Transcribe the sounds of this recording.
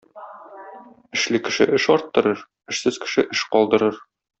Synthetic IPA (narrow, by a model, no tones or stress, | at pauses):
ɘ̆ʃlɘkɘ̆ʃɘʔɘʃɒɾt̪ːɤ̆ɾɤɾ | ɘ̆ʃsɘz̥kɘ̥̆ʃɘʔɘʃqɒlˠd̪ɤ̆ɾɤɾ